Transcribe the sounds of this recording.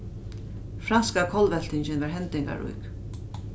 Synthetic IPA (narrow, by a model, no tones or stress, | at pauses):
fɾanskakʰɔlʋɛl̥t̪ʰɪɲt͡ɕɪnvaɹɦɛnt̪ɪŋka̰ɾṵjk